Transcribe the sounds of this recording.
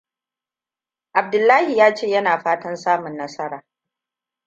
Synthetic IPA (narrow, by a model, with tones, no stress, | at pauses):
ʔa˨b̚dʊ˨lːaː˦hi˨jaː˦t͡ʃeː˦jɐ˦naː˨ɸaː˦tɐ˦nsaː˦mʊ˨nːɐ˦sɐ˦ɾaː˨